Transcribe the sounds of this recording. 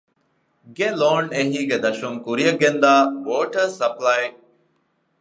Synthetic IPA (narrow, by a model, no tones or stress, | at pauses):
ɡeloːɳeɦiːɡed̪ɐʃuŋkuɾijɐɡend̪aːʋoːʈəɾsɐplɐj